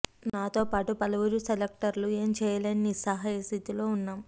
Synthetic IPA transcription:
naːt̪o̞ːpaːʈupɐlɐʋuɾuselek̚ʈɐɾlue̞ːmt͡ʃɛːjɐlɐnːisɐɦaːjɐst̪it̪ilo̞ːunːaːm

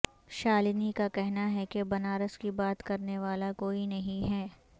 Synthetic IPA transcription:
ʃaːlɪnikakɛɦnaɦɛkebɐnaːɾəskibaːt̪kɐɾneʋaːlakoːinɐɦĩɦɛː

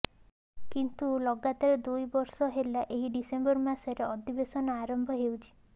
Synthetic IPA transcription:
kint̪ulɔɡat̪aɾɔd̪ujbɔɾsɔɦelaʔeɦiɖisembɔɾmasɔɾeɔd̪ibesɔnɔaɾɔmbʱɔɦewt͡ʃʰi̥

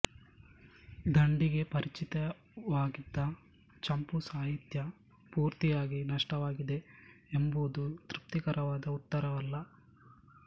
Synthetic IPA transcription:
d̪ɐɳɖiɡe̞pɐɾit͡ʃit̪ɐ | ʋaːɡid̪ːɐ | t͡ʃɐmpusaːɦit̪jɐ | puːɾt̪ijaːɡinɐʂʈɐʋaːɡid̪e̞embud̪ut̪ɾip̚t̪ikɐɾɐʋaːd̪ɐut̪ːɐɾɐʋɐlːɐ

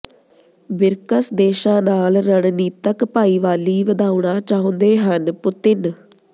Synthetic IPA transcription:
bɪɾkəsd̪eːʃãːnaːlɾəɽ̃niːt̪əkpaːiːʋaːliːʋəd̪aːʊɳãːt͡ʃaːõnd̪eːɦənpʊt̪ɪn

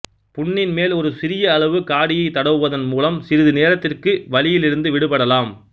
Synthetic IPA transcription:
pʊɳːɪnmeːlɔɾɯsɪɾɪjɐːɭɐʋɯkaːɽɪjɐɪt̪ːɐɽɐʋɯʋɐðɐnmuːlɐmsɪɾɯðɯneːɾɐt̪ːɪrkɯʋɐlɪjɪlɪɾɯnd̪ɯʋɪɽɯpɐɽɐlaːm

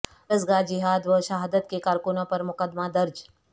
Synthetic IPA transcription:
ɾəzɡad͡ʒiɦaːd̪ʋəʃaɦad̪ət̪kekaːɾkunopɐɾmʊkəd̪mad̪ɐɾd͡ʒ

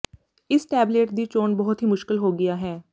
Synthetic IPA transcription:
ɪsʈɛːbleːʈ̚d̪iːt͡ʃoːnbɔɦʊt̪ɦiːmʊʃkɪlɦoːɡɪjaɦɛː

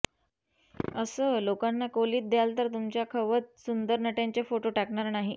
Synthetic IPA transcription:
əsəːlokanːakoliːt̪̚d̪jalt̪əɾt̪umt͡ɕjakʰəʋət̪̚sund̪əɾnəʈjaɲt͡ɕjafoʈoʈakɳaɾnaɦi

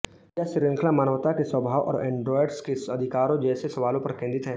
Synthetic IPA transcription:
jaʃɪɾə̃ŋkʰlamaːnəʋt̪akeswəbʱaːʋwʔɔ̰ːɾɛ̃ːɳɖɾɔːɪɖskeɐd̪ʱɪkaːɾõd͡ʒɛːsesɐʋaːlõpɐɾkẽːnd̪ɪt̪ɦɛː

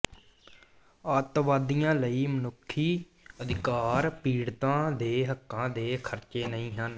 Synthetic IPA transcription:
aːt̪ʋaːd̪ijãːləiːmənʊkʰːiː | əd̪ɪkaːɾpiːɽt̪ãːd̪eːɦəkʰːãːd̪eːkʰəɾt͡ʃeːnəĩːɦən

